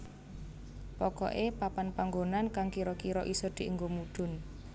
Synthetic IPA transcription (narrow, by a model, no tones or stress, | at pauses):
pɔkɔ̰ʔepapanpaŋɡonankaŋkiɾɔkiɾɔʔisɔd̪̥i̤ʔəŋɡomuɖ̪̥ʊ̤n